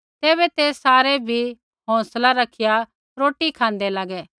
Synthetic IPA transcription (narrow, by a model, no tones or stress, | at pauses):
t̪eːβɛt̪eːssaːɾebʱi | ɦɔ̃ːslaɾɐkʰɪja | ɾoːʈikʰãːnd̪ɛlaːɡɛː